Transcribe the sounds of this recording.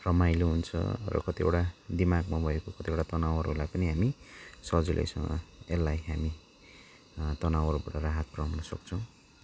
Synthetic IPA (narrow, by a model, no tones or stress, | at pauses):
rʌmajloɦunt͡sʰʌ̰rʌ̰kʌt̪iḛwʈad̪imaɡmabʱʌekokʌt̪ieʈat̪ʌnawʌɾɦo̰lajpʌniɦamisʌd͡zilʔḛjsʌŋɡʌ̰elːajɦami | t̪ʌnawʌɾobaʈʌraɦat̪̚prawnʌsʌ̰k̚t͡sʰʌw̃